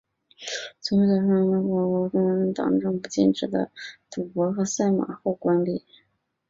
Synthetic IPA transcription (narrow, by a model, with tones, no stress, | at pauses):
t͡sʰʊ˧˥i˥˩ɑ˧˩ʂɑ˥˩˧nə˥˩wɑ˥˩wo˧˥ʈ͡ʂʊ˥ŋ˧˥ə˧˥nt̪ɑ̰˨˩ŋʈ͡ʂɤ˥˧ŋpu˧˩t͡ɕjɛ̰˥˩nʈ͡ʂɻ̩˨˩d̪ə̰˦t̪u˨˩pwɔ˧˥xɤ˧˥sa˥˩ɪma̰˨˩xo˥˩ʊkwa˥nlḭ˨˩˦